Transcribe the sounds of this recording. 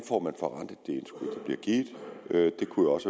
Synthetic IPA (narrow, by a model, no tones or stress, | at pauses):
nfɒ̰ːmænfɒ̽ʁɑn̰d̥əð̩ˠd̥e̝ensɡ̥uð̰ˠd̥ɑ̈b̥liɐɡ̥iːd̥ˠød̥e̝kʰujæɒ̽s